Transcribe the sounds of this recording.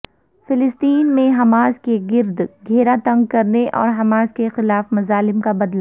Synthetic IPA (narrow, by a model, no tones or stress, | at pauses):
fɪlɪst̪iːnmẽɦɐmaːzkeɡɪɾd̪ɡʱeːɾat̪ɐ̃ŋɡ̚kɐɾneʔɔ̰ːɾɦɐmaːzkexɪlaːfmɐzaːlɪmkabɐd̪la